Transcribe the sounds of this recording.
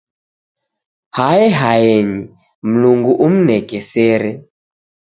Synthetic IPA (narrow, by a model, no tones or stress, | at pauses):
haɛɦajɛɲi | m̩luŋɡuʔum̩nɛkɛsɛɾɛ